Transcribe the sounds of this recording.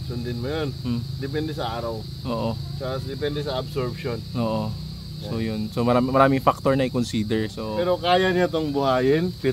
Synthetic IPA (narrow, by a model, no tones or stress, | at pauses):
sʊnd̪ɪnmʊjon̩d̪ɛpɛnd̪ɛsɐaːɾɐw | ʔoːʔot͡ʃɐsd̪ɛpɛnd̪ɛsɐɐbsoɹbʃonʔoːʔo | sojʊnsomɐɾaːmɪmɐɾaːmɪŋfak̚t̪oɹnɐʔɪkonsiːd̪ɛɹsopɛːɾokaːjɐɲat̪oŋbʊhaːjɪnpɪ